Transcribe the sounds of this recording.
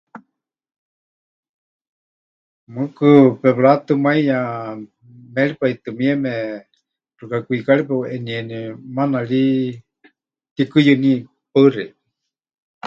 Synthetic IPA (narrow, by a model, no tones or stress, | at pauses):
mɨkɨpɛβɺat̪ɨmaijã | mɛɺipait̪ɨmiɛmɛ | rukakʷikaɺipaʔɛniɛnimanaɺi | t̪ikɨjɨni | paɨrɛ